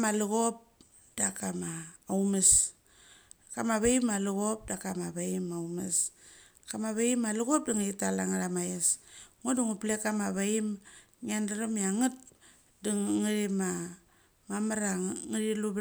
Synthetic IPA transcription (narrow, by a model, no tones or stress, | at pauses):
maluɣop̚ | d̥akamaːwmes | kamaβaimaluɣop̚dakamaβaimawmes | kamaβaimaluɣop̚diŋaitalaŋaɾamajesŋuduŋuplekamaβaim | ŋiandaɾamiaŋɨt̚ | diŋŋiɾima | mamaɾaŋiɾilub